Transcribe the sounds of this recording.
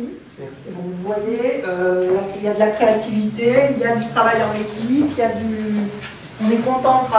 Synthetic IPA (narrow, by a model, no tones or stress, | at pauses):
i | dɔ̃uvwajeølailjad̪əlakχeat̪ivit̪eiljad̪yt̪χavajɑ̃lekʲipiljad̪y | ɔ̃nɛkɔ̃t̪ɑ̃t̪χa